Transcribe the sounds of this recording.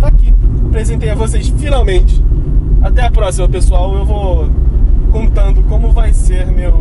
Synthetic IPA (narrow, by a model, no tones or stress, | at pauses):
akipɾezẽnt̪ejɐvosejsfinawmẽnt͡ʃɪ̥at̪ɛɐpɾɔsimɐpesuawewvo | kõnt̪ɐ̃nd̪ʊkõmʊvajseɾmew